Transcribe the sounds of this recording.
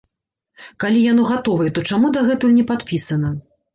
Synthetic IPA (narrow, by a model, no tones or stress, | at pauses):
kalʲijanɔɣat̪ɔvɐjɛt̪ɔt͡ʂamud̪aɣɛt̪ulʲnʲɛpat̪pʲisɐnɐ